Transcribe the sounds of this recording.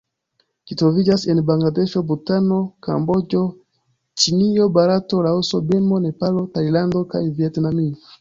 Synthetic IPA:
kitɔvid͡ʒasɛnibaŋɡladɛʃɔbutanɔka̰mbɔd͡ʒɔ | t͡ʃinijɔbaɾatɔlausɔbɛmɔnɛpalɔtailandɔkaiviɛtnami

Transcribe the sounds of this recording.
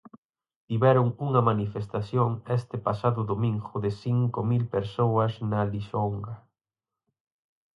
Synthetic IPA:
t̪iβɛɾʊŋuŋɐmanifest̪aθjoŋɛst̪ɪpasaðʊðomĩŋɡʊðɪsiŋkomilpeɾsowɐsnɐliʃoŋɡɐ

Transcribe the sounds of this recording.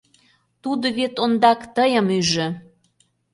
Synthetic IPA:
t̪ud̪oβet̪ond̪ɑkt̪əjə̆myʒɘ̆

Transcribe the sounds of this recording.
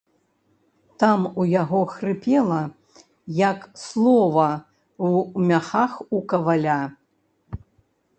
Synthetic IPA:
t̪amujaɣɔxrɨpʲɛlˠɐ | jɐkslˠɔvɐ | wmʲaxaxukɐvalʲa

